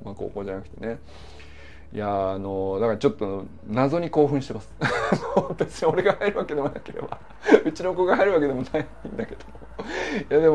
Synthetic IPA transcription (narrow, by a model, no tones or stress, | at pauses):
mako̰ːkoːʑanakɯ̟̥t̪e̞ne̞ | jaːno̞d̪akaɾat͡ɕo̞t̪ːono | nazo̞ɲ̟iko̞ːɸɯ̟̃ɕi̥t̪e̞masɨ̥nobesõo̞ɾe̞ɡahaiɾɯ̟βake̞d̪e̞monake̞ɾe̞̰ba | ɯ̟t͡ɕino̞ko̞ːɡaɦaiɾɯβake̞d̪e̞mo̞nai | ĩnd̪ake̞d̪̥o̞mojad̪e̞m